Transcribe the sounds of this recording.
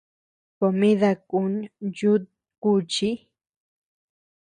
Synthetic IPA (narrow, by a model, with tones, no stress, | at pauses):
ko˨mĩ˦ða˧ku˧˦nd͡ʒu˦ | ku˧t͡ʃi˦